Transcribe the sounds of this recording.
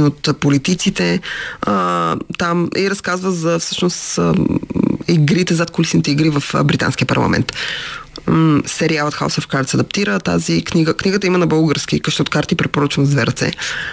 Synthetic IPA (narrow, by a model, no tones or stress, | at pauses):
not̪polit̪it̪sit̪ɛ | t̪amiɾɐskazvəzɐfsɤ̥ʃnos | iɡɾit̪ɛzat̪̚kolisnit̪ɛiɡɾivəfbɾit̪a̰nskʲijəpɐ̰ɾlˠɐ̰mɛ̰nt̪ | sɛɾialˠɐt̪xa̰sofkaɾt̪sɛɐd̪ɐp̚t̪iɾət̪a̰zikniɡəkniɡət̪əimənɐbɤlˠɡəɾsk̟ikɐʃt̪ɔot̪kaɾt̪ipɾɛpoɾət͡ʃinzvɛɾt̪sɛ̰